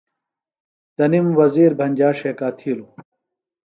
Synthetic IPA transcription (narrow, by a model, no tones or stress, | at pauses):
d̪̥ɐnimwɐziːɾbʱɐnʲd͡ʑaːʂeːkaːt̪ʰiːlu